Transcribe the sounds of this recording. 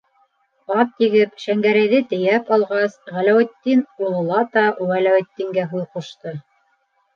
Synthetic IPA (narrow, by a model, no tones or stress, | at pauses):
ɑp̪̚t̪iɡɘpʃæŋɡæɾæjðɘt̪ɘ̆jæpɑlˠʁɑsʁælæwæ̆t̪ːinulˠɤ̆lˠɑt̪ɑwælæwæ̆t̪ːiŋɡæɦuðquʃt̪ɤ